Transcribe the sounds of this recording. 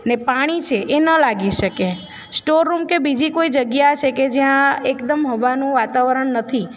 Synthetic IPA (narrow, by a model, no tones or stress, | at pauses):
nepaɽ̃it͡ʃʰeʔenəlaɡiʃəke | sʈoɾːumkebid͡ʒikoid͡ʒəɡjat͡ʃʰeked͡ʒjãekd̪əmɦoʋanũʋat̪aʋəɾəɳnət̪ʰi